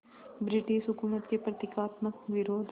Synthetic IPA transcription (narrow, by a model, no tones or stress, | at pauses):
bɾɪʈiʃʊkunət̪kepɾɐt̪ɪkaːt̪məkʋɪɾoːd̪ʱ